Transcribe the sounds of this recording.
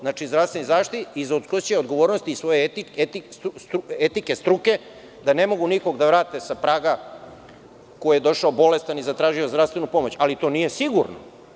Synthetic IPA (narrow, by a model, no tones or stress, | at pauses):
znat͡ʃizd̪ɾafst̪enizaːʂt̪it̪izaud̪sklost͡ɕeod̪ɡo̞ʋo̞ːɾnost̪iːsʋo̞jet̪iet̪iset̪ike̞st̪ɾuke̞ | d̪ane̞mo̞ɡuniko̞ɡd̪aʋɾaːt̪e̞sapɾaːɡa | koijed̪o̞ʃaobo̞le̞st̪anizat̪ɾaːʒiozd̪ɾast̪ʋenupo̞mo̞t͡ɕalit̪o̞ːnijesiɡuɾno̰